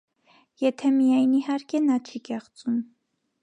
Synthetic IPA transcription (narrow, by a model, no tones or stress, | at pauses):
jɛt̪ʰɛmijɑjnihɑɾkʰɛnɑt͡ʃʰikɛχt͡sum